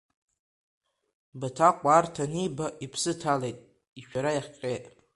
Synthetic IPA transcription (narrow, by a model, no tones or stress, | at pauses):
batʰaqʷʼartʰanibaʔipʰsɨtʰalejtʼ | iʃᶣaɾajaχʲqʲʼejtʼ